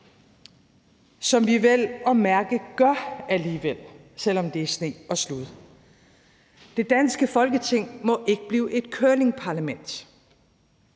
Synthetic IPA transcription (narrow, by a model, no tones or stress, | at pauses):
sɒ̽mʋiʋel̰ɒ̽mæɐɡ̥əɡ̥ɶɐæliːʋel̰ | sel̰ɒ̽md̥e̝æsne̝̰ːɒ̽sluðˠ | d̥e̝d̥ænsɡ̥əfɒ̽lɡ̥ət͡sʰe̝ŋ̰mɒ̽ʔe̝ɡ̥əb̥liːʔe̝d̥̚kʰøɐle̝ŋpʰɑ̈ːlæmen̰d̥